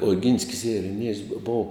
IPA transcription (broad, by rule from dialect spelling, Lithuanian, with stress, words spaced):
oːˈɡʲɪnʲsʲkʲɪs ɪrʲɛˈnʲiɛjʊs boː ˈboːw